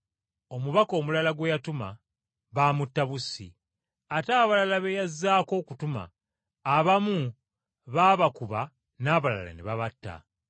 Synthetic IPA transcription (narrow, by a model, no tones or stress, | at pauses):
o̞muβako̞ːmulalaɡwejatuma̰ | βaːmutːaβusḭ | ataːβalalaβejazːaːko̞ːkutuma̰ː | βamu | βaːβakuβa | naːβala̰la̰neβaβatːa̰